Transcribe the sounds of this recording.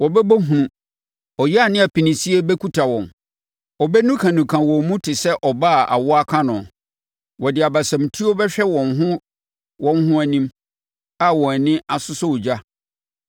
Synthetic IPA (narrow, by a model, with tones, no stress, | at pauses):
wɔ˨bɛ˦bo˦ɦũ˨ũ˨ | ɔ˨jɛ˦a˨nɪ̃˦a˨pʰi˨nĩ˨si˦e˦bɛ˦kʰu˦tʰa˨wɔ̃˨n | ɔ˨bɛ˦nũ˦kʰã˨nũ˨kʰã˨wɔ˨mũ˦tʰɪ˨sɛ˦ʔɔ˨ba˦˨a̰˨wɔ˦a˦kʰã˦nʊ̃˨ | wɔ˨dɪ˨a˨ba˨sã˨m˨tʰi˦o˦bɛ˦ɕᶣɛ˦wɔ̃˨nɦʊ̃˦ | wɔ̃˦n˦ɦʊ̃˦æ˨nĩ˦m | a˦wɔ̃˨nɪ̃˦a˨sʊ˦sʊ˦wʊ˨d͡ʑa˦